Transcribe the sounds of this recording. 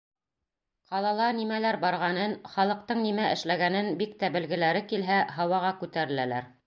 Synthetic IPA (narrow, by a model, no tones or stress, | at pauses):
qɑlˠɑlˠɑnimælæɾbɑɾʁɑnɤnχɑlˠɤ̆q̚t̪ɤɴnimæʔɘ̆ʃlæɡænɘnbik̚t̪æbɘ̆lɡɘ̆læɾɘkilɦæɦɑwɑʁɑkʉt̪æɾɘ̆lælæɾ